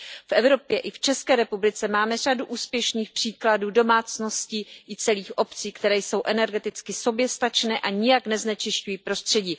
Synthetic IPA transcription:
fʔɛvɾo̞pjɛʔɪft͡ʃɛskɛːɾɛpublɪt͡sɛmaːmɛr̝aduʔuːspjɛʃniːxpr̥iːkladuːdo̞maːt͡sno̞sciːʔɪt͡sɛliːxʔo̞pt͡siːkt̪ɛɾɛːjso̞wʔɛnɛɾɡɛt̪ɪt͡skɪso̞bjɛst̪at͡ʃnɛːʔaɲɪjaknɛznɛt͡ʃɪʃcujiːpɾo̞st̪r̝̥ɛɟiː

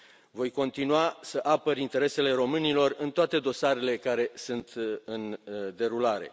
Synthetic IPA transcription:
vo̞jko̞nt̪inuasəʔapəɾint̪e̞ɾe̞se̞le̞ɾo̞mɨnilo̞rɨnt̪oat̪e̞d̪o̞saɾe̞le̞kaɾe̞sɨnt̪ɨnd̪e̞ɾulaɾe̞̰

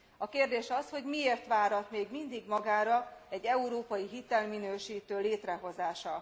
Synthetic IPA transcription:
ɒkeːrd̪eːʃɒsho̞ɟmieːrt̪ʋaːɾɒt̪meːɡmind̪iɡmɒɡaːɾɒɛɟːɛuɾoːpɒjiɦit̪ɛlminøːʃiːt̪øːleːt̪rɛɦo̞zaːʃɒ

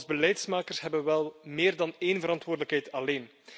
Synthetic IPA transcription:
lˠzbəlɛjtsmaːkərsɦɛbənʋɛlˠmeːrdɑneːnvəɾɑntwoːrdələkɦɛjtɑleːn

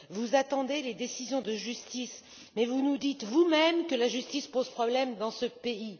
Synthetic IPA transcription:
vuzat̪ɑ̃d̪eled̪esizjɔ̃d̪əʒyst̪is | mɛvunud̪it̪vumɛmkəlaʒyst̪ispoz̥pχɔblɛmd̪ɑ̃səpei

